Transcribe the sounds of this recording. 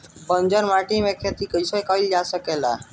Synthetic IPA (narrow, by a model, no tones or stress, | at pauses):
bənd͡ʒəɾmaʈimẽkʰet̪ikəjsekəild͡ʒasəkela̰